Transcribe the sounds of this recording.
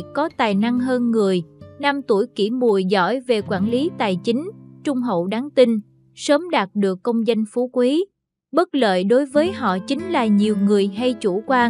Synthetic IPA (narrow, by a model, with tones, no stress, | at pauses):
kɔ˨˦t̪aː˨˩jna˧ŋɦəː˧nŋɨ˨˩əjna˧mt̪u˧˩jkḭ˧˩mu˨˩əjzɔ̰˧˥jve˨˩kwaː˧˩nli˨˦t̪aː˨˩jt͡ɕï˨˦ŋ̟t͡ɕʊ˧ŋ͡mɦə̰˧˨wɗaː˨˦ŋt̪ï˧n | səː˨˦mɗaː˨˩t̚ɗɨ˨˩əkːə˧wŋ͡mzə˧nfu˨˦kwi˨˦ | ɓə˦˥t̚lə̰ː˧˨jɗo˨˦jvəː˨˦jɦɔ̰˧˨t͡ɕï˨˦ŋ̟laː˨˩ɲi˨˩əwŋɨ˨˩əjɦa˧jt͡ɕu˧˩kwaː˧ŋ